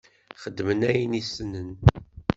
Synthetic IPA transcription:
χəd̪ːmənæjənisənən

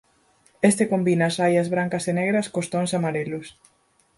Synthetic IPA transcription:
est̪ekombinɐːsajɐzβɾaŋkɐseneɣɾɐskost̪oŋsamaɾelʊs

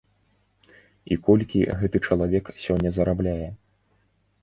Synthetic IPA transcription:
ḭkɔlʲkʲḭɣɛt̪ɨt͡ʂɐlˠavʲɛksʲɔnʲːɐzɐɾablʲajɛ

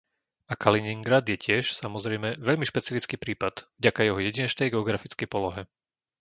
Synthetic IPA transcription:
akaliniŋɡɾad̪jɛcɪɛʃsamɔzɾɛjmɛʋɛʎmiʃpɛt͡sifit͡skiːpɾiːpad̪̥vɟakajɛɦɔjɛɟiɲɛt͡ʃnɛjɡɛɔɡɾafit͡skɛjpɔlɔɦɛ

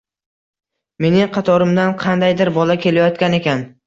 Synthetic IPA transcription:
me̞nɪŋqʰɑt̪ʰɒɾɪmd̪anqʰɑnd̪ajd̪ɪɾbɒlakʲʰe̞lajɒt̪kʲane̞kʲan

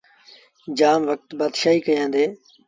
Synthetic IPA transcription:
d͡ʒaːmʋək̚t̪baːd̪ʃaːɦiːkəjãːnd̪eː

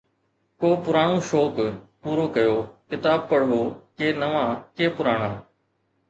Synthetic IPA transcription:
koːpʊɾaːɳ̃õːʃoːkpuːɾoːkəjoːkɪt̪aːb̚pəɽɦoːkeːnəʋãːkeːpʊɾaːɽ̃ãː

